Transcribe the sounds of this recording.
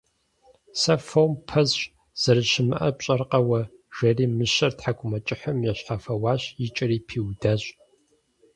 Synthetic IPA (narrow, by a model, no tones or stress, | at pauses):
sɐfowmpʰɐzɕ | z̥ɐɾɨʃɪmɨʔɐpɕʼɐrqɐwɐ | ʒ̥ɐriːmɨɕɐrtħakʷʰʼʊmɐt͡ʃʼɪħɐmjɛɕħafɐwaːɕjɪt͡ʃʼɐriːpʰiːwdɐɕʼ